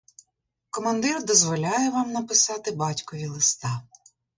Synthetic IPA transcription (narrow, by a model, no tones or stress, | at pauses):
kɔmɐnd̪ɪrd̪ɔzʋɔlʲɑjɛʋɑmnɐpɪsɑt̪ɪbɑtʲkɔʋʲilˠɪst̪ɑ